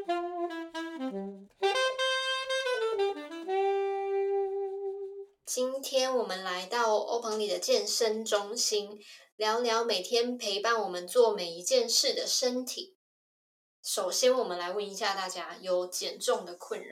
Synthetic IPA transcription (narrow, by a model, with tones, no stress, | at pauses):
t͡ɕi˦nt̪ʰjɛ˥nwɔ˨˩mə˦nla˧˦ɪt̪ɑ˥˩ʊo̰˥ʊpʰɤ˧˥ŋli˨˩d̪ə˦t͡ɕjɛ˥˩nʂə˦nʈ͡ʂʊ˥ŋɕi˥nljɑ˧˥ʊljɑ˧˥ʊme˨˩ɪt̪ʰjɛ˥npʰe˧˥ɪpa˥˩nwɔ˨˩mə˦nt͡swɔ˥˩me˨˩ɪi˧˥t͡ɕjɛ˥˧nʂɻ̩˥˩d̪ə˩ʂə˥nt̪ʰi˨˩˦ | ʂo˨˩ʊɕjɛ˥nwɔ˨˩mə˨˦nla˧˥ɪwə˥˩ni˧˥ɕja˥˧t̪a˥˩t͡ɕja˥jo˨˥ʊt͡ɕjɛ˨˩nʈ͡ʂʊ˥˩ŋd̪ə˩kʰwə˥˩nɻa̰˦